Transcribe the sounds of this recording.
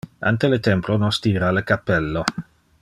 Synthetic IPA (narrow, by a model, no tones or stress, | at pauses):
a̰nt̪elət̪ɛmplonɔst̪iːɾaləkapːɛlːo